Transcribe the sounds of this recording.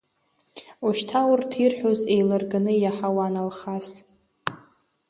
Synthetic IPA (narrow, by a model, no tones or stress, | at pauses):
uʃtʰawʊrtʰirħʷᶣoze̞jlarɡanɨjaħawanalχas